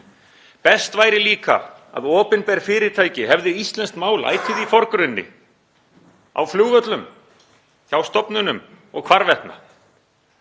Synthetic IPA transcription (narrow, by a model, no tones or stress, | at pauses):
pɛst̪vaːjɾɪliːka̰a̰ðɔːpɪnpɛɾfɪːɾɪt̪ʰaːjcɪɦɛvðɪist̪lɛnst̪maːwla̰ːjt̪ʰɪðifɔɾkɾɪnːɪ̰ | a̰wfljuːɣvœt̪lʏm | çawst̪ɔpnʏnʏm | ɔ̰ɣkʰv̥aɾvɛht̪na̰